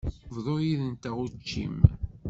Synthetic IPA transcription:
vðˤojiðənt̪æʁut͡ʃːḭm

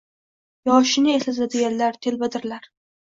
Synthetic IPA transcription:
jɒʃɪnɪeslazad̪ɪɡʲanlaɾt̪ʰe̞lbad̪ɪɾlaɾ

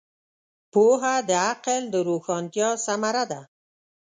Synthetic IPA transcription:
poɦad̪əaqəld̪əɾuxɑːnt̪jɑsamaɾad̪a

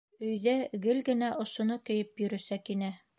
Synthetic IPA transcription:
ɵ̆jðæɡɘlɡɘ̆næʔŏʃŏnɤkɵ̆jɘpjɵ̆ɾɵ̆sækinæ

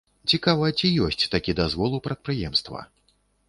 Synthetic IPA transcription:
t͡sʲikavɐt͡sʲijɔsʲt͡sʲt̪akʲid̪azvɔlˠupɾɐt̪̚pɾɨjɛmst̪vɐ̰

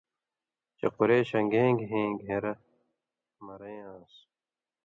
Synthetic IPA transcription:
t͡ɕḛquɾeːɕɐŋɡẽːŋɡɦẽːŋɡɦẽɾɐ | mɐɾɐjãːs

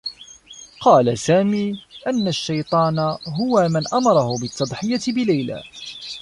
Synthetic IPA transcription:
qɑːlasaːmiːʔanːaʃːɑjt̪ˤɑːnaɦʊwamanʔɑmɑɾˤɑhʊbɪt̪ʰːɑd̪ˤħɪjat̪ɪbɪlajla̰ː

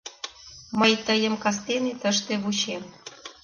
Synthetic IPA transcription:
məjt̪əjə̆mkɑs̬t̪enet̪əʃt̪eβut͡ɕem

